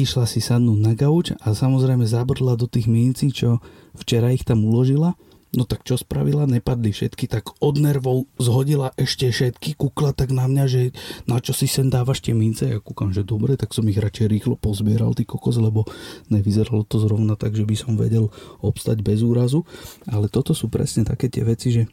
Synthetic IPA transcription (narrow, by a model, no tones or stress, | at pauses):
iʃlasisad̪nuːdnaɡaut͡ʃasamɔzɾɛjmɛzabr̩ɦlad̪ɔt̪iːɣmiːnt͡siːt͡ʃɔ | ft͡ʃɛɾaixt̪amulɔʒila | nɔt̪akt͡ʃɔspɾa̰ʋilaɲɛpad̪lifʃɛ̰t̪kit̪aɡɔd̪nɛɾʋɔʊzɦɔɟilaʔɛʃcɛfʃɛt̪kikuklat̪aɡnamɲaʒɛnat͡ʃɔsisɛnd̪aːʋaʃt̪ɪɛmint͡sɛjakukamʒɛd̪ɔbɾɛt̪aksɔmiɣɾat͡ʃɛjɾiːxlɔpɔzbɪɛɾa̰lt̪iːkɔkɔzlɛbɔɲɛʋizɛɾalɔt̪ɔzɾɔʊnat̪aɡʒɛbisɔmʋɛ̰ɟɛlɔpst̪a̰ɟbɛzuːɾazualɛt̪ɔt̪ɔsuːpɾɛ̰sɲɛt̪a̰kɛːt̪ɪɛ̰ʋɛt͡siʒɛ